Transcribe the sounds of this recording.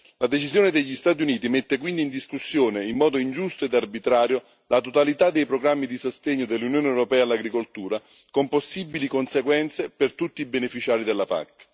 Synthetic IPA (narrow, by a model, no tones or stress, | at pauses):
lad̪et͡ʃizjoːned̪eʎːist̪aːt̪̬juniːt̪imet̪ːekwind̪iːnd̪iskusːjoːneimːɔːd̪oind͡ʒust̪oed̪arbit̪ɾaːɾjo | lat̪ot̪alit̪ad̪ːejpɾoɡɾamːid̪isost̪eɲːod̪elːunjoːneewɾopɛːalːaɡɾikolt̪uːɾa | komposːibilikonseɡwɛnt̪sepert̪ut̪ːiibenefit͡ʃaːɾid̪elːapa̰kː